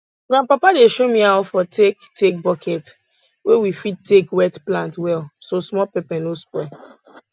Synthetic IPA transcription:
ɡãpapadeʃomĩaɔfɔtʰektʰek̚bɔkʰɛt | wewifid̚tːekwɛtplãntwɛlsosmɔpɛpɛ̃nospɔ

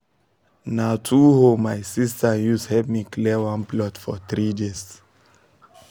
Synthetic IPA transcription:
natʰuhomajsistəjushɛvmikʰlɛwãnplɔtfɔθɹides

